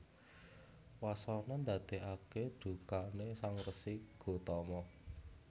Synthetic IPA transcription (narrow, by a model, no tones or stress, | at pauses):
wasɔnɔnd̪a̤d̪̥eaked̪̥ṳkanesaŋrəsiɡ̥o̤t̪ɔmɔ